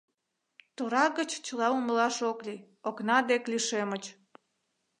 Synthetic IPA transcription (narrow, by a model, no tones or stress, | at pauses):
t̪oɾɑɡət͡ɕt͡ɕəlɑuməlɑʃoklʲi | oknɑd̪ekliʃemət͡ɕ